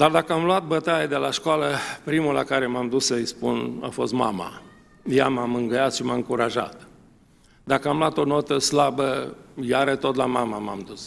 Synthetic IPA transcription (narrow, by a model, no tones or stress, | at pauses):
d̪ard̪akəamluat̪̚bət̪ajed̪e̞laʃkoaləpɾimula̰kaɾe̞mamd̪usəjspuna̰fo̞̰st̪ma̰ma̰ | jamamɨŋɡəjat̪ʃimaɨŋkuɾaʒa̰t̪ | d̪akəamlwat̪o̞no̞t̪əslabəjaɾət̪ot̪lamamama̰md̪us